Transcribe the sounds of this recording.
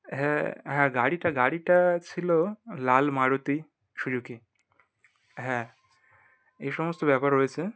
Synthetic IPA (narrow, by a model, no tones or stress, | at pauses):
ɦɛɦɛ̃ɡaːɽiʈɐɡaːɽiʈat͡ʃʰilolaːlmaːɽot̪i | t͡ʃʰuɽjuki | ɦɛ̃ | esɔmɔst̪objaːpaɾɦojt͡ʃʰe